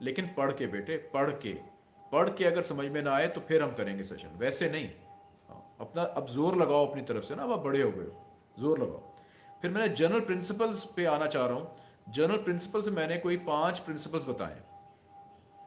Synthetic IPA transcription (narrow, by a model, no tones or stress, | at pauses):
leːkɪnpɐɽ̤kebeːʈʰepɐɽ̤kḛ | pɐɽkeɐɡəɾsɐməd͡ʒʱmẽnaaːet̪opʰɪɾɦɐmkɐɾẽːŋɡesɛ̰ːʃə̰nʋɛːsenɐɦĩ | ɦã̰ːɐ̰pnaʔɐbzoːɾlɐɡaːoɐpnit̪ɐɾəfsenaɐbabɐɽeɦoːɡɐ̰e | zoːɾlɐɡa̰ːo̰ | pʰɪɾmɛ̃ːned͡ʒɐɾnəlpɾɪ̃nsɪpəlzpeaːnat͡ʃaːɾaɦũː | d͡ʒɐɾnəlpɾɪ̃nsɪ̥pəlsemɛ̃ːnekoːipãːt͡ʃpɾɪ̃nsɪp̬əlzbɐt̪a̰ːjḛ̃